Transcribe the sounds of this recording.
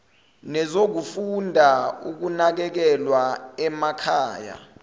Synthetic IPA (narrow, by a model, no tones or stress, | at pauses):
nɛzok̬ufundʱauk̬unak̬ɛk̬ɛlwaɛmakʰaːja̰